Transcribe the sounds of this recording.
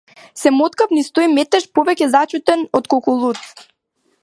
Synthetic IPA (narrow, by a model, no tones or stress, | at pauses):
sɛmɔt̪kafnist̪oimɛt̪ɛʃpɔvɛcʲɛzat͡ʃut̪ɛnɔt̪kokulˠut̪